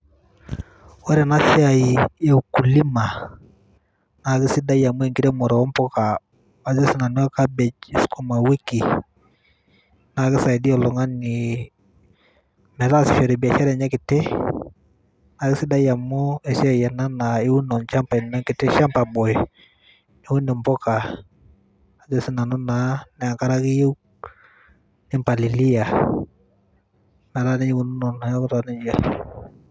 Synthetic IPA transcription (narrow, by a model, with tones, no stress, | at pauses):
wa˦ɾɛ˨na˦si˦a˨i˨ɛ˦u˨ku˨li˦ma˨ | na˨kɪ˦si˦da˦ja˨mʊ˦ɛ˨ŋkɪ˦tɛ˦mɔ˨ɾɔ˨ɔ˦mpɔ˦ka˨ | a˨zi˦sɪ˨na˨n˦ɔ˦ka˦bɛ˨d͡ʒɪ˦skɔ˦ma˨wi˦ki˨ | na˨kɪ˦sa˨i˨di˦ɔ˨lɔ˨ŋa˦ni˨ | mɛ˨ta˦˨sɪ˨fɛ˨ɾɛ˨bi˨a˨t͡ʃa˦ɾɛ˨ɲɛ˦kɪ˨tɪ˦ | na˨kɪ˦sɪ˦da˦ja˨mːʊ˦ɛ˨si˦ɛ˨jɛ˨na˦na˨ɪ˦wu˦nɔ˨nt͡ʃa˦mpa˨ɪ˨nːa˦ŋkɪ˨tːɪ˦ʃa˦mpa˨bɔ˨j | ni˨wu˦nɪ˨mbɔ˦ka˨ | a˨d͡ʒɛ˦sɪ˦na˨nɔ˦na˨nɛ˨a˨ŋka˦ɾa˦ki˦ju˦k | nɪ˦mpa˨li˨li˦ja˨ | na˨ɾa˦ni˦i˦ku˨nu˦nɔ˨na˨jɔ˦kɾa˨nɪ˦d͡ʒa˦